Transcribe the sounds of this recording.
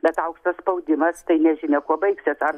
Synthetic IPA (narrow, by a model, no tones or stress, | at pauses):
bʲɛt̪ɐʊkʃt̪ɐsspɐʊd̪ʲɪmɐst̪ɐɪnʲɛʒʲɪnʲɛkuɔbɐɪksʲɪsɐr